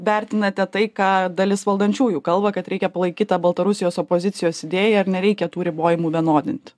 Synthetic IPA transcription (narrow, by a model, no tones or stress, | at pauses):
ʋʲæɾʲt̪ʲɪnɐt̪ʲɛt̪ɐɪkɑːd̪ɐlʲɪsʋɐlˠd̪ɐnʲt͡ʃʲuːjuːkɐlˠbɐkɐt̪ɾʲɛɪkʲɛpɐlˠɐɪkʲiːt̪t̪ɑːbɐlˠt̪ɐɾʊsʲɪjoːsopoːzʲɪt̪sʲɪjoːsɪd̪ʲeːjɛɐɾnʲɛɾʲɛɪkʲɛt̪uːɾʲɪboːjɪmuːʋʲiɛnoːd̪ʲɪnʲt̪ʲ